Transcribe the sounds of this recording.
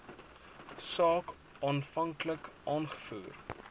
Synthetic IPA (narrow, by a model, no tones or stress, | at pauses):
sɑːk | ɑːnfɐŋkləkʔɑːnχə̥fuːr